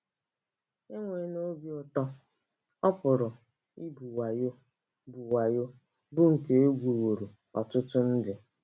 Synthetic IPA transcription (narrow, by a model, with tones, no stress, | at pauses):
ɪ˦ŋʷe˨˦no˦bjɔ˦tɔ˦ | ɔ˦pʊ˨ɾʊ˨ | i˦bu˨wa˨jo˦ | bu˨wa˨jo˦ | bʊ˦ŋ̩˨ke˨e˦ɡʷu˨wo˨ɾu˨ | ɔ̰˨tʊ˦tʊ˦n̩˦dɪ˨